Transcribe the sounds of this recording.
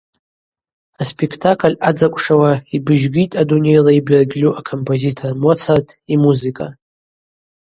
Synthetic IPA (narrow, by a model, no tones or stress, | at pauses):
aspʼekʰtʰakʰʼlʲad͡zakʷʼʂawaibɨʒɡʲitʼadune̞jlaibrɡʲlʲuʔakʰompʰʼozitʰormot͡sʰartʰʼimuzikʼa